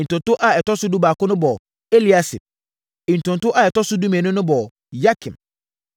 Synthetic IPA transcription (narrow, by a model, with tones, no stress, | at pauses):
n̩˨tʊ̃˨ntʊ˦ʔa˦ɛ˨tɔ˦sʊ˦du˦baː˨kʊ˦nʊ̃˦bɔ˨ | e˦li˦a˦si˨p̚ | ĩ˨n˨tʊ̃˨n˨tʊ˦ʔa˦˨ɛ˨tɔ˦sʊ˦du˦mɛ̃˨nʊ̃˦nʊ̃˦bɔ˨ | ja˦kʰĩ˨m